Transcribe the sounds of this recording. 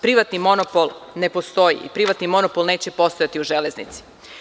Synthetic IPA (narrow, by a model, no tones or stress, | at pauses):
pɾiʋat̪nimo̞nopolˠne̞po̞st̪o̞jḭḭpɾiʋat̪nimo̞nopolˠne̞ːt͡ɕe̞po̞st̪o̞jat̪iuʒeleznḭt̪si̥